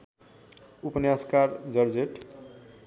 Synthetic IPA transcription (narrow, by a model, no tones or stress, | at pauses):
upənjaskaɾd͡zʌɾd͡zeʈ